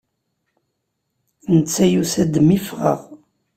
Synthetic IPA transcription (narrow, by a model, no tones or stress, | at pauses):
nət͡sːæjusæd̪mifʁə̰ʁ